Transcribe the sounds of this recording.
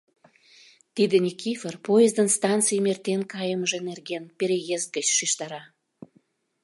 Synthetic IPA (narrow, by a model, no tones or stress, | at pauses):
t̪id̪enʲikʲiferpojəzd̪ənst̪ɑnt͡sɨjmert̪enkɑjəməʒenerɣenpeɾʲejezt̪̚ɡət͡ɕʃiʃt̪ɑɾɑ